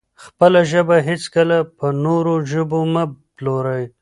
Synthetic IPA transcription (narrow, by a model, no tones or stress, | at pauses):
xpəlaʒəbaɦɪt͡skəlapənoɾoʒəboməbloɾaj